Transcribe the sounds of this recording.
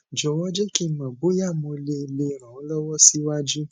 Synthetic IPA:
d͡ʒɔ˨wɔ˦d͡ʒɛ˦ki˦mã˨ɡ͡bo˨˦ja˦˨mõ˧le˦i˧le˧ɾ̃ã˨o˨˦lɔ˦wɔ˦si˦wa˦d͡ʒu˦

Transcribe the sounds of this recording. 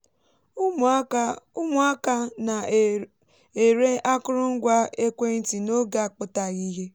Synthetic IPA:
ʊ˦mʊ˨a˦ka˦na˨ | e˨ɾe˦a˦kʊ˦ɾʊ˦ŋ̩˦ɡʷa˦e˦kʷe˦n̩˦ti˨no˦ɡa˦˨k͡pʊ˦ta˨ɣi˦ɦe˦

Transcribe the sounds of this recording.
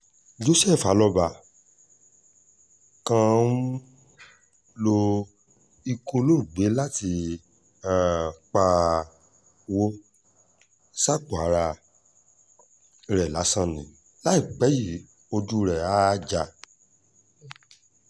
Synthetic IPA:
d͡ʒo˧˦sɛ˦˨fa˨˦lɔ˧ba˧˨ | kã˦˧n̩˦ | lo˧ | i˧kõ˧lo˦˨ɡ͡be˨˦la˦ti˧˨ | k͡pa˧ | wo˦ | sa˦˨k͡po˨a˨˦ɾa˧ | ɾɛ˨la˨˦sã˦˨nĩ˨ | la˦i˦˨k͡pɛ˨˦ji˦˨ | o˧du˧ɾɛ˨a˦d͡ʒa˧

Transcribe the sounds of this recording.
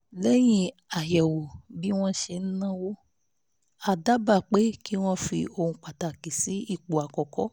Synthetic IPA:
lɛ˦j̃ĩ˦˧˦ | a˨jɛ˨wo˨bi˦w̃ɔ̃˦ʃe˧n̩˦nã˦wo˦ | a˨da˨˦ba˦˨k͡pe˨˦ki˦w̃ɔ̃˦fi˧o˧hũ˧k͡pa˨ta˨ki˨si˨˦i˦˨k͡pu˨a˨kɔ˨kɔ˦

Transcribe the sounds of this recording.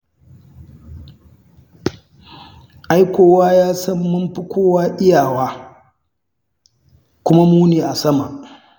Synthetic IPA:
ʔa˦jkʷoː˦waː˦jaː˦sɐ˦mːʊ˦mɸi˦kʷoː˦waː˦ʔɪ˦jaː˨waː˦ | kʷʊ˦ma˦muː˦neː˨ʔa˨sɐ˦ma˨ʔ

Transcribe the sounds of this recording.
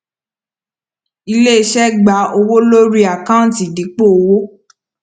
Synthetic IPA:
i˧le˦i˧ʃɛ˦ɡ͡ba˨˦o˧wo˦lo˦ɾi˦a˨kã˦˨ti˨di˨˦k͡po˦o˧wo˦

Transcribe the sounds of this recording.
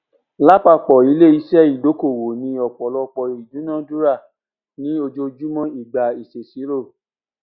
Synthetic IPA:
la˦k͡pa˦˨k͡pɔ˨i˨˦le˦˨i˧˦ʃɛ˦i˨do˨˦ko˦˨wo˨nĩ˧ɔ˨k͡pɔ˨lɔ˧k͡pɔ˨i˨dũ˨˦nã˦˨˦du˦ɾa˦˨ | nĩ˦o˧d͡ʒo˧d͡ʒu˦mɔ̃˦i˦˨ɡ͡ba˨i˨se˨si˨˦ɾo˦˨

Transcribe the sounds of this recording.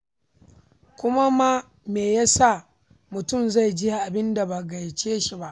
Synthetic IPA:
kʷʊ˦ma˦ma˦ | meː˨ja˦sa˦˨ | mʊ˨tʊ˦˨mza˦˨jd͡ʒɪ˦ja˨ʔa˨bɪ˦nda˨ba˨ɡa˨jt͡ʃeː˦ʃi˨ba˦ʔ

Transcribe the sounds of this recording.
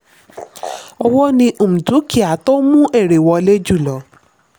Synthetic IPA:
ɔ˧wɔ˦nĩ˧ʔo˨mũ˨tu˨˦ki˦˨a˨˦to˦mũ˦ʔe˦˨ɾe˨wɔ˧le˦d͡ʒu˦˨lɔ˨˦

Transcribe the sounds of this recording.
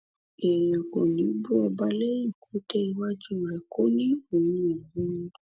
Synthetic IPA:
ɛ˨jã˨kɔ̃˨nĩ˨˦bu˦ɛ˧˨ba˨˦le˦i˨ku˨˦te˦i˦wa˦d͡ʒu˦˨ɾɛ˨ko˦nĩ˦o˨mĩĩ˦˨jũ˦

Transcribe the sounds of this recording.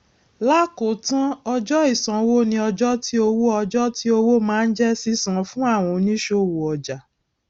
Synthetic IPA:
la˦ko˨tã˦ɔ˧d͡ʒɔ˦i˦˨sã˨˦wo˦nĩ˧ɔ˧d͡ʒɔ˦ti˦o˧wo˦ɔ˧d͡ʒɔ˦ti˦o˧wo˦mãː˦n̩˦d͡ʒɛ˦si˦sã˨fũ˦a˦˨w̃ɔ̃˧nĩ˦ʃo˧˨wo˨ɔ˨d͡ʒa˨

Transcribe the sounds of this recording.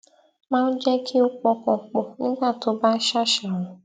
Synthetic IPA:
mã˦n̩˦d͡ʒɛ˦kʰi˦ʊ˦k͡pɔ˧kɔ˨k͡pɔ˨n̩˦ɡa˦˨to˨ba˦ʃa˦ʃa˨ɾʊ̃˨

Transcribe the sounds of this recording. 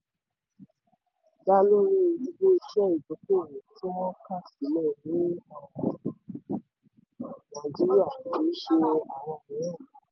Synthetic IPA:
da˦lo˦ɾi˦˧i˧ɡ͡bo˦i˧ʃɛ˦i˨bo˨˦ko˦˨wẽ˨ti˦wɔ̃˦ka˦˨si˨˦lɛ˦˨nĩ˨˦ã˧˨ | nã˦˨d͡ʒi˨˦ɾi˦a˦˨i˨˦ʃe˧a˨w̃ɔ̃˧˨ĩ˨˦ɛ̃˦˨

